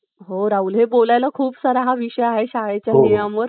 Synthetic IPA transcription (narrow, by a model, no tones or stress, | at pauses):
ɦoɾaulɦebolajlakʰuːpsaɾaɦaʋiɕəjaɦeɕaɦat͡ɕjanijãmʋəɾ